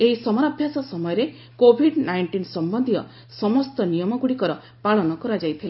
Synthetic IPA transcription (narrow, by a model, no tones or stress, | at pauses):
eisɔmɔɾabʱjasɔsɔmɔjɔɾe | kobʱiɖnajɳʈinsɔmbɔnd̪ʱijɔ̰ | sɔmɔst̪ɔnijɔmɔɡuɽikɔɾɔ | paɭɔnɔkɔɾad͡ʒajt̪ʰila